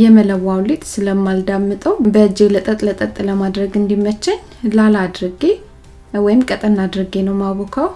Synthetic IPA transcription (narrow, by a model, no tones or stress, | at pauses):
jɛmələwːawlet̪sɨləmːald̪amːɨt̪ʼəwbəɨd͡ʒːɪɡlət̪ʼət̪ʼlət̪ʼət̪ʼləmad̪ɾəɡɨnd̪imːət͡ʃːɛɲ | lalad̪ɾɨɡe | wɔjɪmkʼət̪ʼənːad̪ɾɨɡenəwmaβokʰaw